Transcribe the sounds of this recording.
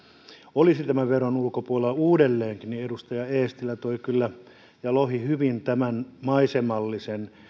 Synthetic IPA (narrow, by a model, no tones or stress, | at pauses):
olisit̪æmæʋeronulkopuoleluːdelːeːŋkinniedust̪ɑjɑeːst̪ilːˑæt̪oikylːæ | jɑlohihyʋint̪æmænmɑisemɑlːisen